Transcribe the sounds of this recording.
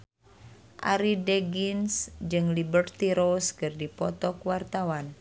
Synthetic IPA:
ʔa̰ɾidɛɡinsd͡ʒɨŋlibərt̪iɾoskɨrdipɔt̪ɔkwart̪awan

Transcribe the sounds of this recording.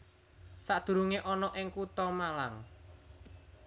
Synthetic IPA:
saʔd̪̥ṳɾuŋeʔɔnɔʔɪŋkut̪ɔmalaŋ

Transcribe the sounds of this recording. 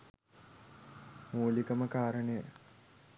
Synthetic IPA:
moːlikəməkaːɾənəjə

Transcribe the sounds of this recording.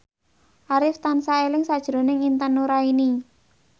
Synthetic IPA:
ʔaɾɪft̪ansaelɪŋsad̥ʒ̥ɾo̤nɪŋint̪anuɾaini

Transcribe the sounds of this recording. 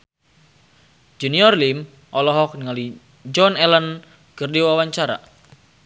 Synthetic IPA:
d͡ʒuniɔrlim | ʔɔlɔɦɔk̚niŋali | d͡ʒɔnɛlən | ɡərdiwawaɲt͡ʃaɾa̰

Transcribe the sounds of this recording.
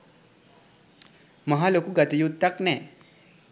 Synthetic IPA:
mɐɦalokuɡɐt̪ijud̪̚t̪aknɛ

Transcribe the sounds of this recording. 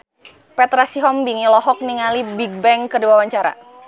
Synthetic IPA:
pɛt̪ɾasiɦɔmbiŋilɔɦɔk̚niŋalibiɡ̚bɛŋkədiwawaɲt͡ʃaɾa̰

